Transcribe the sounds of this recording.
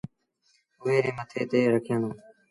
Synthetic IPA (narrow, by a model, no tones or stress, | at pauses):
ʊʋeːɾẽːmət̪ʰeːt̪eːɾəkʰjãːnõː